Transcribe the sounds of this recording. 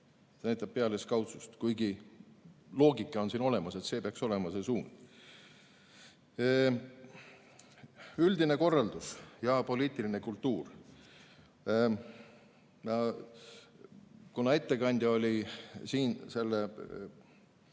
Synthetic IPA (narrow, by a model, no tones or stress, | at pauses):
senæjt̪ːˑɑb̚pːe̞ɑleskɑwt̪sust̪kujɡi | lo̞ːɡikːˑɑo̞nsiːno̞le̞mɑse̞t̪se̞ːpeɑkso̞le̞mɑse̞suːn | yld̪ine̞ko̞rːɑld̪̥usjɑpo̞lʲiːt̪ːˑiline̞kult̪ːuːr | nɑ | kunɑe̞t̪ːe̞kɑnʲd̪̥ʲjɑolʲisiːnse̞lːe